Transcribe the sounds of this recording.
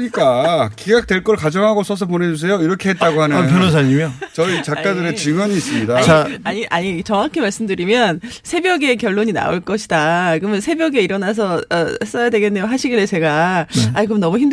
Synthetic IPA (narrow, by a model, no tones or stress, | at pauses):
ɲik͈akiɡak̚t͈we̞ɭk͈ʌɭkad͡ʑʌŋɦaɡos͈ʌs̬ʰʌp̬one̞d͡ʑus̬ʰe̞joiɾʌkʰeɦet̚t͈aɡohanɯp̬jonos̬ʰaɲimjot͡ɕʌit͡ɕakkk͈adɯɾet͡ɕɯŋʌɲiːs͈ɯmɲidat͡ɕaaɲiʔaɲit͡ɕʌŋakʰimaɭs͈ɯmdɯɾimjʌnsʰe̞bjʌɡe̞kjʌɭːoɲina̰oɭk͈ʌɕʰi̥dakɯmjʌnsʰe̞bjʌɡeiɾʌnas̬ʰʌʌes͈ʌjadwe̞ɡe̞nːejoɦaɕʰiɡiɾet͡ɕe̞ɡaaikɯmnʌmuçimd